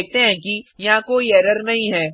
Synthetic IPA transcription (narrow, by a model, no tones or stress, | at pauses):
k̚t̪eɦɛ̃kijɐɦãkoːiɛːɾəɾnɐɦĩɦɛː